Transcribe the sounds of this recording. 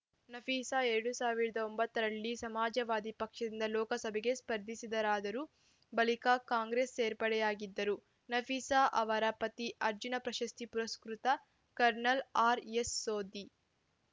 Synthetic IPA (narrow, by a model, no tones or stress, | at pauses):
nɐfʰiːsaeɾɐɽusaːʋiɾɐd̪ɐombɐt̪ːɐɾɐɭːisɐmaːd͡ʒɐʋaːd̪ipɐkʂɐd̪ind̪ɐlɔːkɐsɐbʱɛɡe̞spɐɾd̪ʱisid̪ɐɾaːd̪ɐɾu | bɐlikakaːŋɡɾeːsːeːɾpɐɽɛjaːɡid̪ːɐɾu | nɐfʰiːsaʔɐʋɐɾɐpɐt̪iʔɐɾd͡ʒunɐpɾɐʃɐst̪ipuɾɐskɾut̪ɐ | kɐɾnɐlaːɾesːoːd̪i